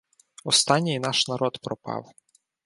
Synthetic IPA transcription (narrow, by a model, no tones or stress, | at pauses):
ɔst̪ɑnʲːijnɑʃnɐɾɔd̪pɾɔpɑ̰w